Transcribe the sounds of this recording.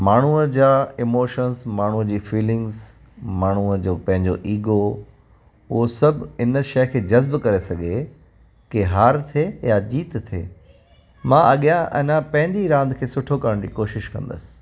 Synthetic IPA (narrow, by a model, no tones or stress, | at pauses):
maːɳ̤uəd͡ʑaːɪmoːʃənzmaːɳ̤uəd͡ʑiːfiːlɪ̃ŋɡz | maːɳ̤uəd͡ʑoːpɐ̃ɦɪ̃ɲd͡ʑo̰ʔiːɡo | ʊɦosɐbɪnəʃɐkʰeːd͡ʑɐzbkɐɾesɐɠʱe | keɦaːɾt̪ʰejad͡ʑiːt̪t̪ʰḛː | mãʔɐɠijãʔɛ̰̃ːnãpɐ̃ɦɪ̃ɲd͡ʑiɾãːnd̪kʰeːsʊʈʰokɐɾəɽ̃d͡ʑḭːkoːʃɪʃkɐ̃n̆d̪ə̰sɪ̥